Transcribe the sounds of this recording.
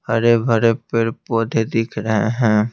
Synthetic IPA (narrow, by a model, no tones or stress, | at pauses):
həɾebʱəɾepɪɾpoːd̪ʱed̪ɪkʰɾəɦeɦɛ̃ː